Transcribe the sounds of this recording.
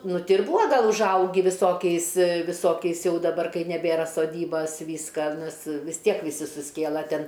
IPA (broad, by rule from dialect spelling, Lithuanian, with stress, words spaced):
ˈnʊ ˈtʲɪ ɪr ˈbʊɐ ˈɡɐlˠ ʊʒˈɐʊɡʲɪ ʋʲɪˈsoːkʲɛɪs ʋʲɪˈsoːkʲɛɪs ˈjɛʊ dɐˈbɐr kɐɪ nʲɛˈbʲeːrɐ soːˈdʲiːbɐs ˈʋʲiːskɐ ˈnʲɛs ʋʲɪs ˈtʲiɛk ʋʲɪˈsʲɪ sʊsʲˈkʲeːlˠɐ ˈtʲɛn